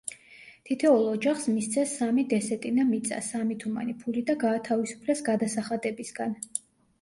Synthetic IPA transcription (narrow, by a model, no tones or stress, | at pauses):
t̪ʰit̪ʰɛulˠɔd͡ʒaχsmist̪sʰɛsːamid̪ɛsɛt̪ʼinamit̪sʼa̰samit̪ʰuma̰nipʰulid̪aɡaːt̪ʰavisu̥pʰlɛsɡad̪asaχad̪ɛbisɡan